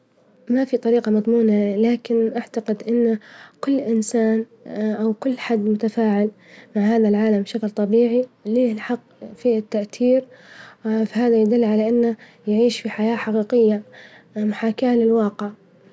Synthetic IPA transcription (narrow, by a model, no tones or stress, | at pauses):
mafit̪ˤɑɾiːqɑmɑðˤmuːnalaːkɪnʔaʕt̪aqɪd̪ʔɪnːkʊlːʔɪnsaːn | ʔawkʊlːħad̪ːmʊt̪afaːʕɪl | maʕhaːðalʕaːlamʃaklt̪ˤɑbiːʕiliːlħɑqː | fiɪt̪ːaʔt̪iːɾ | fahaːðajd̪ʊlːʕalaʔɪnːa | jaʕiːʃfiħajaːħaqiːqɪjːa | mʊħaːkaːlɪlwɑːqɪʕ